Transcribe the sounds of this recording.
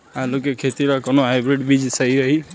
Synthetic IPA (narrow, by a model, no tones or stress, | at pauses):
ãlokekʰet̪iɾakɔnɔɦajbɾiɖbid͡ʒsajɾʌɦi